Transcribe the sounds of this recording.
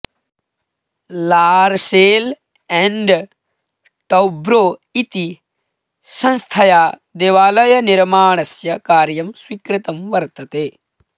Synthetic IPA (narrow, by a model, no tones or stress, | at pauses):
laːɾseːl | ɛ̃ɳɖ | ʈɐwbɾoːit̪i | sɐ̃nst̪ʰɐjaːd̪eːʋaːlɐjɐniɾmaːɳ̃ɐsjɐkaːɾjɐmswikɾɪt̪ɐmʋɐɾt̪ɐt̪eː